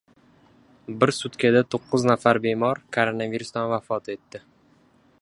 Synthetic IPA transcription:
bɪɾsʊt̪kʲad̪at̪ʰoqʰːʊznafaɾbemɒɾkʰoɾonaviɾʊsd̪anvafɒt̪ʰe̞t̪ːɪ

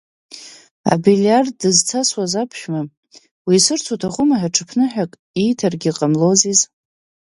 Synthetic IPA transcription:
a̰biljarddɨzt͡sʰaswazapʰʃᶣma | wiːsɨrt͡sʰutʰaχʷʊmaħaʈ͡ʂʰɨpʰnɨħᶣakʼ | ijtʰarɡʲiqʼamlo̞ziz

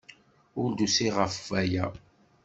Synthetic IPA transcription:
ʊɾd̪usiʁəfvæjæ

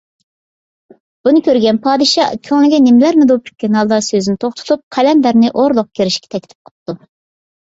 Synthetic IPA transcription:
b̥unɨkʲʰøɾɡʲɛnpʰɑːd̪ɨʃɑ̰kʲʰøŋlɪɡʲɛnɪmlæɾmɪd̪upʰy̥kʲʰːenɑlˠd̪ɑsøzynɪt̪ʰoχt̪ʰʊ̥t̪ʰup̚qʰælɛnd̪æɾnɪʔoɾlˠʊq̚kʲʰeɾɪʃkʲɛ̥t̪ʰɛkʲʰi̥t̪ʰɪ̥p̚qʰə̥p̚t̪ːu

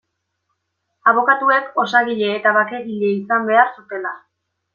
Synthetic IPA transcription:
aβ̞o̞kat̪ue̞ko̞saɣiʎe̞ːt̪aβake̞ɣiʎe̞isambe̞aɾsut̪e̞la

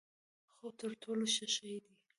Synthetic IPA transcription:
xot̪əɾʈʰoloʃaʃəjd̪i

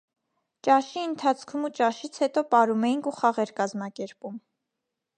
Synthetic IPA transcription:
t͡ʃɑʃiənt̪ʰɑt͡sʰkʰumut͡ʃɑʃit͡sʰhɛt̪ɔpɑɾumɛjiŋkʰuχɑʁɛɾkɑzmɑkɛɾpum

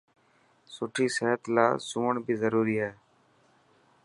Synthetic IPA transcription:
sʊʈʰiːseɦət̪la̰ːsũːəɳbʱiːzəɾuːɾiːɦɛː

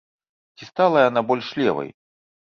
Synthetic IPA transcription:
t͡sʲist̪alˠɐjanabɔlʲʂlʲɛ̰vɐ̰j

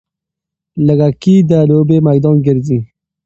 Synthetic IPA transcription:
ləɡakid̪əlobemajd̪ɑːnɡɪɾzi

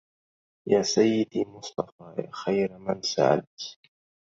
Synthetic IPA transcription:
jaːsajːɪd̪iːmʊsˤt̪ˤɑfaːja̰ːxajɾamansa̰ʕa̰d̪t̪

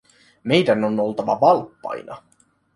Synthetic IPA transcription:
me̞jdænonolt̪ɑʋɑ̰ʋɑlpːɑ̰jnʔɑ̰

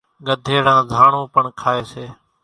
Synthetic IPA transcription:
ɠəd̪ʱeːɽãːzʱaːɳõːpəɳkʰaːeːseː

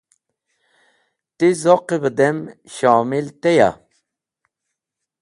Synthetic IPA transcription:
t̪izoqibəd̪em | ʃɑːmilt̪eja̰

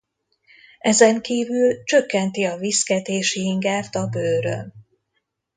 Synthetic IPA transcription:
ɛzɛŋkiːvylt͡ʃø̞kːɛnt̪iɒviskɛt̪eːʃiiŋɡaːrt̪ɒbøːɾø̰n

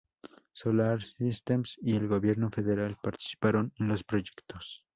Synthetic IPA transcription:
solaɾsist̪emsielɣo̞βje̞ɾno̞fe̞ðe̞ɾalpaɾt̪i̥si̥paɾo̞nenlo̞spɾo̞ʝe̞kt̪os

